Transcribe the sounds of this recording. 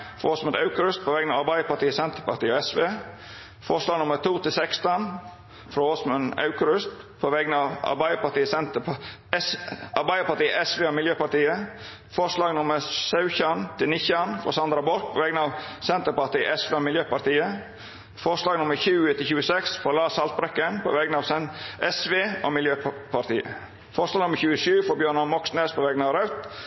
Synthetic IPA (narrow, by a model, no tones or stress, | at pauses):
fɾo̰ɔsmʉnɑʉkəɾʉst̪̚pʰɔʋɛːɡənɑːʋɑɾbæɪəpɑʈiːəsɛnt̪əpɑʈ̪iːəoɛsʋeː | fɔʂlɑːɡnʊmət̪ʰuːt̪ɪlsɛkst̪ɔn | fɾoːosmʉnɑ̰ʉkəɾʉst̪ | pʰɔʋɛɡənɑʋɑ̰ɾbæɪəpɑʈ̪iːəsɛnt̪əɛɑɾbæɪd̪əɾpɑʈ̪iːəʔɛsʋeːomɪljøːpɑʈ̪iːə | fɔʂlɑːɡnʊməsɑʉçɑnt̪ʰɪlnɪçɑnfɔ̰sɑnd̪ɾɑbɔɾk̚pʰoʋɛɡnɑːʋsɛnt̪əpɑt̪iːəʔɛsʋeːoːmɪljøːpɑɾt̪iːə | fɔɾslɑːɡnʊməɾçʉːt̪ʰɪlçʉːəsɛksfɔɾlɑːsɑlt̪̚bɾɛkːənpʰɔ̰ʋɛɡənɑːʋsɛʔɛsʋeːʔo̰ːmɪljøːppʰɑt̪ḭːə̰ | fɔɾslɑːɡnʊmːəɾçʉːəʃʉːfɔbjøːɳɑnmɔksneːspʰɔʋɛɡnɑːʋɾɑʉt̪